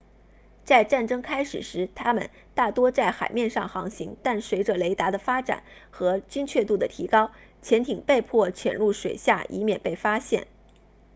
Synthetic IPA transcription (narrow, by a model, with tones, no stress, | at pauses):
t͡sa˥˧ɪʈ͡ʂa˥˩nʈ͡ʂɤ˥ŋkʰa˥ɪʂɻ̩˨˩ʂɻ̩˧˥t̪ʰa˥mə̰˨n | t̪a˥˩t̪wɔ˥t͡sa˥˩ɪxa˨˩ɪmjɛ˥˧nʂɑ˥˩ŋxɑ˧˥ŋɕi˧˥ŋt̪a˥˩nswe˧˥ɪʈ͡ʂə˧le˧˥ɪt̪a˧˥d̪ə˧fa˥ʈ͡ʂa̰˨˩˦nxɤ˧˥t͡ɕy˥nt͡ɕʰɥɛ˥˧t̪u˥˩d̪ə˩t̪ʰi˧˥kɑ˥ʊ | t͡ɕʰjɛ˧˥nt̪ʰi˨˩ŋpe˥˧ɪpʰwɔ˥˩t͡ɕʰɥɛ̰˨˩nlu˥˩ʂwe˨˩ɪɕja˥˩ʔḭ˧˥mjɛ˨˩npe˥˩ɪfa˥ɕjɛ̰˥˩n